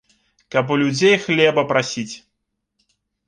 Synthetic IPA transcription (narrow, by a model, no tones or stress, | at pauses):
kɐpulʲud͡zʲejxlʲɛbɐpɾasʲit͡sʲ